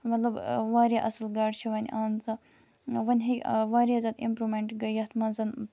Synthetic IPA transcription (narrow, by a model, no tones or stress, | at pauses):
mɐt̪lɐbʋaːɾjaʔɐsəlɡaːʈt͡ʃʰiʋɐnʲʔaːnzɐ | ʋɐnʲɦikʲʋaːɾʲjazɐd̪impɾumeɳʈɡɐjɐt̪ʰmɐnzɐn